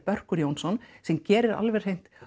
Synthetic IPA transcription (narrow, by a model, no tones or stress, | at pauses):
pœr̥kʏɾjoːwnsɔnsɛmcɛːɾɪɾa̰lvɛɾ̥hejn̥t̪